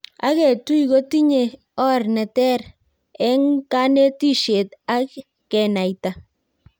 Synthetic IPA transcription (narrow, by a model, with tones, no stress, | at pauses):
a̰˦kɛ˨tu˦i˨ko˦ti˦ɲe˨ | ɔ˦rnɛ˨tɛ˦r | ɛ˦ŋka˦ne˦ti˦ʃe˨t̪a˦kː | ɛ˨na˨jta˨